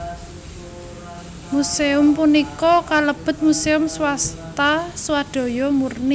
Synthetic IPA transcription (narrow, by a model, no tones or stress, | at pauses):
museʊmpunikɔkaləb̥ʊ̤t̪̚museʊmswast̪aswad̪̥ɔ̤jɔmurni